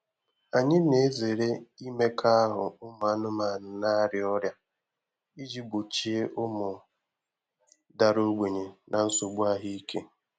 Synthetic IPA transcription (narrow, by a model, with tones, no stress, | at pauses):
a˨ɲɪ˦ne˨˦ze˨ɾe˦i˦me˦kʰa˦a˦ɦʊ˨ʊ˦mʊ˨a˦nʊ˦ma˨n̩˨na˦ɾɪ˦ɔ˦ɾja˦ | i˦d͡ʒi˦ɡ͡bo˨t͡ʃi˦e˦ʔʊ˦mʊ˨ | da˨ɾo˦ɡ͡be˨ɲe˨nʔa˨n̩˦so˨ɡ͡bu˦a˦ɦi˦kʰe˦